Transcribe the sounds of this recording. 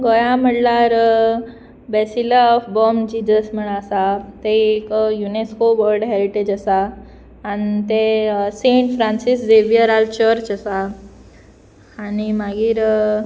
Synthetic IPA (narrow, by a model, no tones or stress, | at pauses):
ɡojaməɽlaɾ | besilafbɔmd͡ʑid͡ʒəsm̤əɽ̃asat̪eekjuneskoʋəɾɖɦeɾiʈed͡ʑəsaː | nit̪eseɳʈfɾãnsisdeʋijəɾalt͡ɕəɾt͡ʃəsa | nimaɡiːɾ